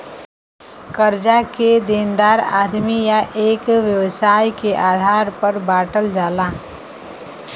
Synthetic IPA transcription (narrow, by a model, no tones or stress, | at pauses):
kəɾd͡ʒaked̪eːnd̪aːɾaːd̪mijaʔeːkʋjəwsaːjkeʔaːd̪ʱaːɾpəɾbaːʈəld͡ʒaːlaː